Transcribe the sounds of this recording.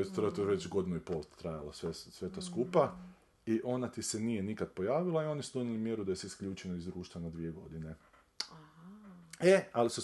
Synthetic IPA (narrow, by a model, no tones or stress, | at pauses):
est̪ɾat̪oʋet͡ʃɡo̞d̪inuipolˠt̪ːɾajalasʋesʋe̞t̪askupa | iʔo̞nat̪isenije̞nikad̪̚po̞jaːʋilˠaio̞nisud̪o̞ɲʲelimjeɾud̪ajeseiskʎʲuːt͡ʃenoizd̪ɾuːʃt̪ʋanad̪ʋie̞ɡo̞̰d̪ine | ealisu